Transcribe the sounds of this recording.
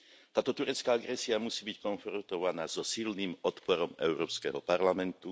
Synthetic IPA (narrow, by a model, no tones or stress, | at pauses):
t̪aːt̪ɔt̪uɾɛt͡skaːaɡɾɛsiamusiːbickɔnfɾɔnt̪ɔʋanaːzɔsilnimɔt̪pɔɾɔmɛ̰ʊɾɔːpskɛ̰ɦɔ̰paɾlamɛnt̪u